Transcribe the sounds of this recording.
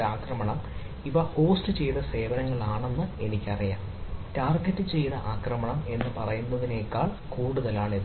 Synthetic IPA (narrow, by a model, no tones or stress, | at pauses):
aːkrɐmɐɳɐm | iʋoho̞ːstɨt͡ɕe̞jðɐse̞ːʋɐnɐŋːɐɭaːɳe̞nːɨe̞nikʲːɐrijaːm | taːrɡɐtːɨt͡ɕe̞jnɐʔaːkrɐmɐɳɐme̞nːɨpɐrɐjunːɐðine̞ːkːaːɭ | kuːɽuðɐlaːɳið